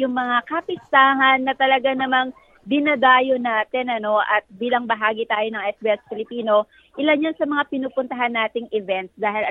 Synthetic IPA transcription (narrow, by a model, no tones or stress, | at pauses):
jʊŋmɐŋakɐpɪst̪aːɦɐnːɐt̪ɐlɐɡanɐmaŋ | d̪ɪnɐd̪aːjonaːt̪ɛnɐno̞ʔɐt̪̚biːlɐŋbɐɦaːɡɪt̪aːjo̞nɐŋʔɛsbiɛs̚pɪlɪpiːno̞ | ʔɪlɐnjansɐmɐŋapɪnuːpʊnt̪ɐɦanːaːt̪ɪŋʔɪvɛnt̪̚sd̪aːɦɪlɐ